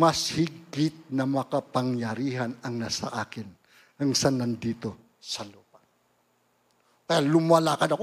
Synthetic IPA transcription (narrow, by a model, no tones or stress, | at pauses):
mɐshɪɡɪt̪̚nɐmɐkɐpɐŋjɐɾiːɦɐnɐŋnasɐʔaːkɪn | hɐŋsanɐnd̪iːt̪o | sɐlopa | k̪ɐjalʊmalakɐnɐk